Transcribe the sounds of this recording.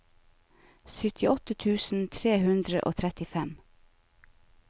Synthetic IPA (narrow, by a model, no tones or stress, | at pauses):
sʏt̪ʰɪɔt̪ət̪ʰʉːsn̩t̪ʰɾeːhʉnd̪ɾə̰ʔo̰ːt̪ʰɾɛt̪ɪfɛm